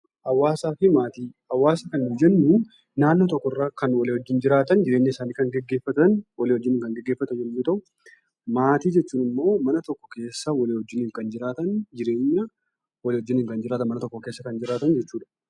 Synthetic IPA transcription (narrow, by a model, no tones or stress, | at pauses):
ʔɐwːaːsaːfɪmaːt̪iːɐwːaːsɐkɐnːʊd͡ʒɛnːʊ | naːnːot̪ɔkːɔrːakɐnwɐleːhɔd͡ʒːɪnd͡ʒɪɾaːt̪ɐnd͡ʒɪɾeːɲːɐɪsaːniːkɐŋɡɛɡːe̞ːfːɐt̪ɐnwɐlːhɔd͡ʒːɪnɪːŋkɐŋɡɛɡːeːfːɐt̪ɐnɛlːuːt̪ɐʔʊ | maːt̪iːd͡ʒɛt͡ʃːuːnɪmːo̞ːmɐnɐt̪ɔkːɔ̥ke̞ːsːɐwɐleːhɔd͡ʒːɪniːŋkɐnd͡ʒɪɾaːt̪ɐnd͡ʒɪɾe̞ːɲːɐ | wɐleːhɔd͡ʒːɪniːŋkɐnd͡ʒɪɾaːt̪ɐnmɐnɐt̪ɔkːɔke̞ːsːɐkɐnd͡ʒɪɾaːt̪ɐnd͡ʒɛt͡ʃːuːᶑɐ̥